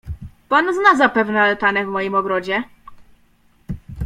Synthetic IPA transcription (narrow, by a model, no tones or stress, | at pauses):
panznazapɛvnɛalt̪anɛvmɔjimɔɡɾɔd͡ʑɛ